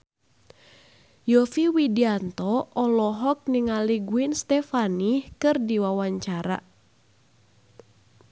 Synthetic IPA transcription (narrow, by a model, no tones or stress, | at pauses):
jɔfiwidiant̪ɔɔlɔɦɔk̚niŋaliɡuinst̪ɛfanihkɨrdiwawaɲt͡ʃaɾa̰